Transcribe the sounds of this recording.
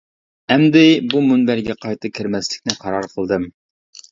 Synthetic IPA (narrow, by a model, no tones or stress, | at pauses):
ɛmd̪ɪbumunbæɾɡʲɛqʰɑjt̪ʰɨkʲʰɪɾmɛslɪkʲnɪqʰɑɾɑɾqʰəlˠd̪ɨm